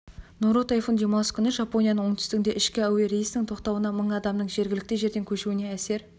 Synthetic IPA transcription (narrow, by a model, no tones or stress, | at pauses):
noɾot̪ɑjfonʒijɾmɑlˠsə̥kʲʏnɪʒɑpo̞nijɑnəɴwo̞ɴt̪ʰʏst̪ɪɡʲɪnd̪e̞ʔɪʃkʲɪæwe̞ɾejsnɪŋt̪ʰo̞qt̪ɑwənɑməɴɑd̪ɑmnəɴʒe̞ɾɡʲɪlɪk̚t̪ɪʒe̞ɾd̪e̞ŋkʲʰɵʃuɪne̞æse̞ɾ